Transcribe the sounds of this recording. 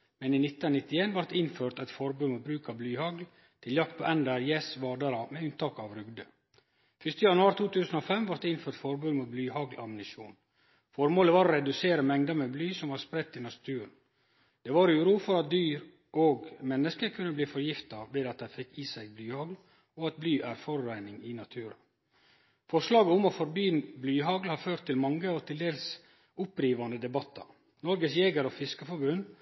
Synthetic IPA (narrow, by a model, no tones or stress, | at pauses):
mɛniːnɪt̪ːənnɪt̪ːɪeːnʋɑɾt̪ɪnføːɾt̪ɛt̪fɔɾbʉːmubɾʉːkɑblyːhɑɡl | t̪ʰɪljɑk̚t̪̚pʰoːʔɛnd̪əɾjeːsʋɑːɖ̪ɑɾɑmɛʉnt̪ɑːkɑːʋɾʏɡd̪ə | fʏst̪əjɑnʉɑːɾt̪ʰuːt̪ʉːsən̩oːfɛmʋɑɾt̪ɪnføːʈ̪fɔɾbʉnmublyːhɑɡlʔɑmnɪʃṵːn | fɔɾmoːləʋɑːɾɾɛd̪ʉseːɾəmɛŋd̪ɑmɛblyːsɔmʋɑːɾspɾɛt̪ːɪnɑst̪ʰʉːɳ | d̪̥eːʋɑːɾʉːɾuːfɔɾɑt̪̚d̪yːɾ | ʔoːɡmɛnːəskəɾkʰʉnːəbliːfɔɾjɪft̪ɑʋeːd̪ɑt̪̚d̪æɪfɪkːiːsæɪɡblyːhɑɡl | oɑt̪̚blyːʔæɾfɔɾːæɪnɪŋɪnɑt̪ʰʉːɾɑ̰ | fɔʂlɑːɡəʊmɔfɔɾbyːənblyːɦɑɡlhɑːɾføːɾt̪ʰːɪlmɑŋːəɔt̪ʰɪld̪eːls | ʊpɾiːʋɑnd̪əd̪ɛbɑt̪ʰːɑ̰ | nɔɾɡəsjeːɡəɾɔfɪskəfɔɾbʉn